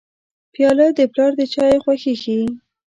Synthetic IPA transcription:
pjɑləd̪əplɑɾd̪ət͡ʃɑjexwaxexi

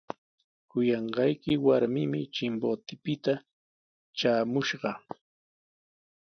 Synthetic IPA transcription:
kʊjɑɴɢɑjkɪwaɾmɪmɪt͡ʃɪmbot̪ɪpɪt̪a | t͡ʃaːmʊʃɢɑ

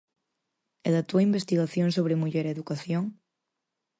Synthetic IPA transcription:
eðat̪uɐimbest̪iɣaθjoŋsoβ̞ɾɪmuʎɛɾeðukaθjoŋ

